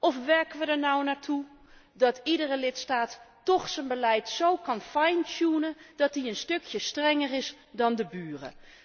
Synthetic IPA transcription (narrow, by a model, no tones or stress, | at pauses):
ɔfʋɛɹkənʋədəɹnawnaːɹtʰu | dɔtidərəlɪtstaːtː | ɔxsənbəlɛjtsowkɔnfajntsunəd̥ɔt̚diənstøkʰjəstrɛŋərɪs | dɔndəbyːrə̰